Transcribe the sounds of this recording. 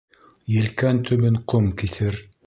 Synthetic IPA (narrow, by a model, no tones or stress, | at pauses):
jɘ̆lkænt̪ʰɵ̆βɘɴqomkiθɘɾ